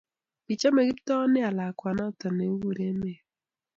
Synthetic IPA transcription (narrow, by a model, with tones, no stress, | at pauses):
pi˨t͡ʃa˦me˨ɡi˦p̚tɔ˦nɪ˦a˨la˨kwa˨nɔ˦tɔ˨ne˨˦wu˦˨ɾe˦ne˨